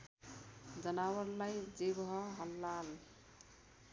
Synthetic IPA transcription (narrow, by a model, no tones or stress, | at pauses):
d͡zʌnawʌɾlajd͡zebɦʌɦʌlːal